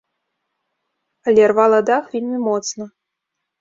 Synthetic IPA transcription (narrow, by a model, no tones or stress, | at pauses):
ɐlʲɛrvalˠɐd̪axvʲilʲmʲɨmɔt̪snɐ